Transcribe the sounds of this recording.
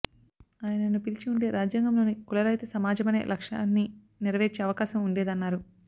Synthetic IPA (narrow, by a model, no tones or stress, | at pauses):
aːjɐnɐnupilt͡ʃiuɳɖe̞ːɾaːd͡ʒjaːŋɡɐmlo̞ːnikulɐɾɐjt̪ɐsɐmaːd͡ʒɐmɐne̞̰ːlʔɐkʂa̰ːnːi | niɾɐʋeːɾt͡ʃeːɐʋɐkaːsɐmuɳɖe̞ːd̪ɐnːaːɾu